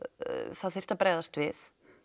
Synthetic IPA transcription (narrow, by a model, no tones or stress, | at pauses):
θaðθɪr̥t̪apɾaːðast̪vɪθ